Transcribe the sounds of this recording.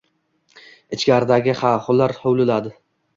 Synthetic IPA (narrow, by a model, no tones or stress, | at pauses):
ɪt͡ʃkʲaɾɪd̪aɡʲɪχaχʊlaɾhowlɪlad̪ɪ